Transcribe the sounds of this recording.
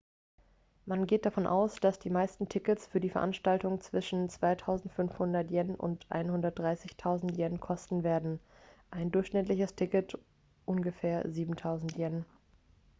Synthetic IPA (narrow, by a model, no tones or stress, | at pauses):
manɡeːt̚d̥afɔnʔa̰ʊsd̥asd̥iːmaɪstn̩tʰɪkəsfyːɐdiːfɛɐʔanʃtaltʊŋt͡sv̥ɪʃn̩t͡sv̥aɪtʰaʊzn̩tfʏnfhʊndɐtjɛnʔʊ̰ntʔa̰ɪnhʊndɐt̚d̥ʁaɪsɪçtʰaʊzn̩tjɛnkʰɔstn̩veːɐdn̩ | ʔaɪndʊɐçʃnɪtlɪçəstʰɪkət | ʔʊnɡəfɛːɐziːbm̩tʰaʊzn̩tjɛn